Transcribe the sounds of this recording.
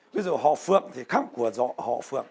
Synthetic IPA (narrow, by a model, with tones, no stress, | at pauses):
ɓi˨˦˥zu˨˩ɦɔ̰˧˨fɨ̰˧˨əmt̪ʰi˨˩xaː˦˥p̚ku˧˩əzɔ̰˧˨hɔ̰˧˨fɨ̰˧˨əm